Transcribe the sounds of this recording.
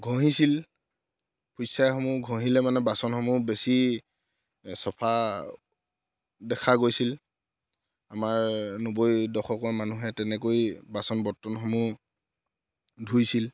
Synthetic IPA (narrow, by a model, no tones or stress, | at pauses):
ɡʱɔ̃ɦisil | pʰujsajxɔmuɡʱɔ̃ɦilɛmanɛbasɔnxɔmubesi | sɔpʰa | dɛkʰaɡojsil | amaɹnobojdɔxɔkɔɹmanuɦɛtɛnɛkojbasɔnbɔtːɔnxɔmu | dʱujsil